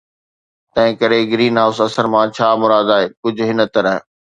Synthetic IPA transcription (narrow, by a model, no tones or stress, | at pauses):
t̪ɐ̃ɦɪ̃kɐɾeɡɾiːnɦaːʊsɐsəɾmãt͡ɕʰaːmʊɾaːd̪aːɦeːkʊd͡ʑʱʊɦɪnə̆t̪ɐɾəɦ